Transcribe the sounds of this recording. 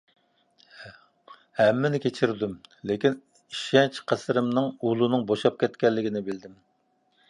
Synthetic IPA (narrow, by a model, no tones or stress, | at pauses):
hɛmːɪnɪkʲʰet͡ʃʰiɾd̪ymlekʲin | iʃɛnt͡ʃqʰæsɾɨmnɨŋulˠunɨŋboʃɑp̚kʲʰɛt̪kʲɛlːɪɡʲinɪbɪld̪ɪm